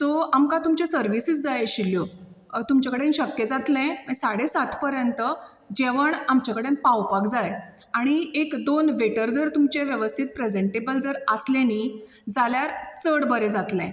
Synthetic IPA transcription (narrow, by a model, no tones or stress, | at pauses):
t̪ɔamkãt̪umt͡ɕẽsəɾʋisiːd͡zd͡zajeɕiljo | t̪umt͡ɕakəɽenɕəkːjed͡zat̪lɛ̃əsaɽesat̪ʰpəɾjənt̪ə | d͡ʑeʋəɳamt͡ɕakəɽenpawpakd͡zaj | aɽ̃iekd̪onʋeʈəɾd͡zəɾt̪umt͡ɕeʋjəʋəst̪ʰiːt̪̚pɾed͡zeɳʈebəld͡zəɾəsleni | d͡zaljaɾt͡səɽbəɾed͡zat̪lɛ̃